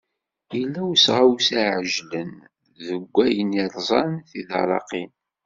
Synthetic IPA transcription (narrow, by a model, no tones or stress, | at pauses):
jəlːæwsʁawsæʕəʒlən | ðəɡʷːæjəniɾˤzˤɑnθiðɑ̰ɾˤɑ̰qin